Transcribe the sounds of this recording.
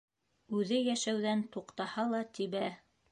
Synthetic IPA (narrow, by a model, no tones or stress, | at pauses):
ʉðɘjæʃæwðænt̪uqt̪ɑhɑlˠɑt̪iβæ